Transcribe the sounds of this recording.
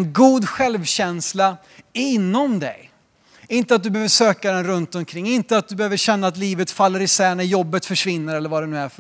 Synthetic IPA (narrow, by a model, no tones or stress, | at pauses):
nɡuːd̪ɧɛlvɕɛnsla | ɪnːɔmd̪ɛ̰j | ɪnt̪əat̪̚d̪ɵbɛhøːvəʂøːkad̪ɛnɾɵnt̪ɔmkʰɾɪŋːɪnt̪əat̪̚d̪ɵbɛhøːvəɾɕɛnːaːt̪liːvət̪falːəɾɪsɛnæɾjɔbːət̪fœʂvɪnːəɾɛlːəɾvad̪ɛnʉ̟ːæɾf